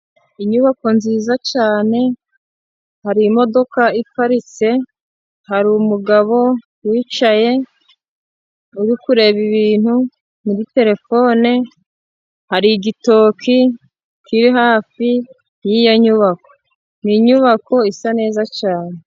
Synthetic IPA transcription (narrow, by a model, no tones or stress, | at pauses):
iɲuβako̞nziːzat͡ʃaːne̞ | haɾiːmo̞do̞kaifaɾit͡se̞ | haɾiːmuɡaβo̞ | wiːt͡ʃaje̞ | uɾikuɾe̞βiβiːn̥hu | niɾite̞ɾe̞fo̞ːne | haɾiɡito̞ːkʰi | kiɾiɦaːfi | jijoɲuβako̞ | niɲuβako̞isane̞ːzat͡ʃaːne̞